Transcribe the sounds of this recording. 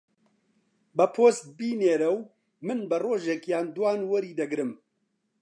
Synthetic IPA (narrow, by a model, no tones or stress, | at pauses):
bɐpʰoːst̪̚biːneːɾɛw | mɨnbɐroːʒekjaːnd̪waːnwɐɾiːd̪ɐɡɾɨm